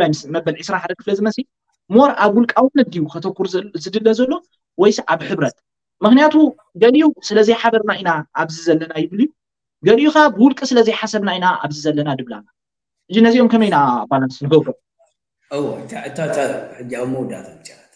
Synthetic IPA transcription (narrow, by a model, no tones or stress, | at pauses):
lajsmɐbɐlʔisɾaħad̪ɐkɨflɐzɨmɐsi | moɾʔaβwʊlkʼawɨnːɨd̪ijukʰɐt̪ʰɐkːuɾzɨd̪ɨlːɐzɐlːo̞ | wɔjsiʔaβħɨβɾɐt̪ | mɨxnijat̪ʰu | ɡɐlʔusɨlɐzijħaβɐɾnaʔinaʔaβzizɐlːɐnajɪβɨliju | ɡɐljukabɨwʊlkʼisɨlɐzijħasɐβnainaa̰βzizɐlːɐnad̪ɨβla̰na | ħɨd͡ʒinɐziomkʰɐmɐjnabalansnɨɡɐβɾom | ɨwoɨt̪ʰaɨt̪ʰat̪ʰaħɨd͡ʒːiawmowd̪a̰t̪bɨt͡ʃaat̪